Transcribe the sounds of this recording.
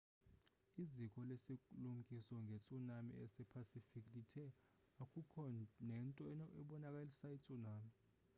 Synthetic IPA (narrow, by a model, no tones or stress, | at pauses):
izikʰʼɔlesikʼulum̩kʼisɔŋɡʱet͡sʼunamḭɛsɛpʰasifikʰʼditʰɛ | akʼukʰɔnɛntʼɔɛnɔʔɛɓɔnakʼalisait͡sʼunaːmi